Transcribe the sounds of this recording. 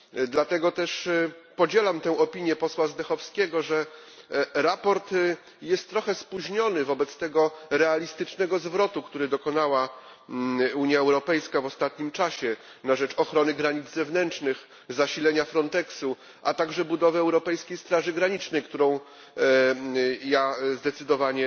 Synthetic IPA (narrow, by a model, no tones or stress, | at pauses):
d̪lat̪ɛɡɔt̪ɛʂpɔd͡ʑɛlamt̪ɛ̃w̃ɔpʲiɲjɛpɔswazd̪ɛxɔfskʲeɡɔʐɛ | ɾapɔɾt̪ | jɛst̪ːɾɔxɛspuʑɲɔnɘvɔbɛt̪st̪ɛɡɔɾɛalʲist̪ɘt͡ʂnɛɡɔzvɾɔt̪ukt̪uɾɘd̪ɔkɔnawa | uɲjaɛwɾɔpɛjskavɔst̪at̪̚ɲimt͡ʂaɕɛ | naʐɛt͡ʂɔxɾɔnɘɡɾaɲid̪zzɛvnɛnt͡ʂnɘx | zaɕilɛɲafɾɔnt̪ɛksu | ʔat̪aɡʐɛbud̪ɔvɘɛwɾɔpɛjskʲejst̪ɾaʐɘɡɾaɲit͡ʂnɛjkt̪uɾɔ̃w̃ | jazd̪ɛt̪sɘd̪ɔvaɲɛ